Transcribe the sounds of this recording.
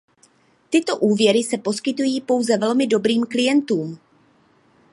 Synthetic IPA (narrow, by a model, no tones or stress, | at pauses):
t̪ɪt̪o̞ʔuːvjɛɾɪsɛpo̞skɪt̪ujiːpo̞wzɛvɛlmɪdo̞bɾiːmklɪjɛnt̪uːm